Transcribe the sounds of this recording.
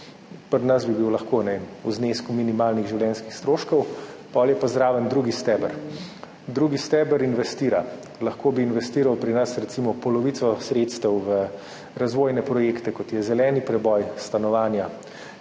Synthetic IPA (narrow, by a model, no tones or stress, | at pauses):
pəɾnasbibiwlɐxkoːnɛuzneːskuminimaːlniɣʒiwlʲjɛːnskixst̪ɾoːʃkɔwpɔljɛpazɾaːʋənd̪ɾuɡist̪ɛːbəɾ | d̪ɾuːɡist̪ɛːbəɾinʋɛst̪iːɾa | lɐxkoːbiːnʋɛst̪iːɾawpɾinasɾɛt̪simɔpɔlɔʋit̪sɔsɾeːt̪st̪əwʋə | ɾazʋoːjnɛpɾɔjeːkt̪ɛkɔt̪jɛzɛlɛːnipɾɛbɔjst̪anɔʋaːnja